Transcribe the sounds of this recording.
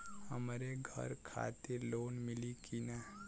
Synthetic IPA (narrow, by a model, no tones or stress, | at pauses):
həmɾeɡʱə̰ɾkʰa̰ːt̪eɾloːnmɪlikina